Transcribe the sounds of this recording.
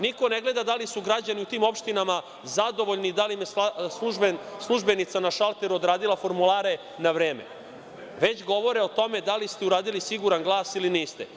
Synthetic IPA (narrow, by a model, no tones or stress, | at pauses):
niko̞neɡle̞d̪ad̪alisuɡɾad͡ʑaniut̪iːmo̞pʃt̪inama | zad̪o̞ʋo̞ʎnid̪alimjessuslˠuʒbe̞nit̪sanaʃalˠt̪eɾuod̪ɾaːd̪ilˠafo̞ɾmulaːɾe̞ | naʋɾeːmḛ | ʋe̞t͡ɕɡo̞ʋo̞ɾeo̞t̪o̞med̪alist̪euɾaːd̪ilisiɡuɾanɡlˠaːsiliniːst̪e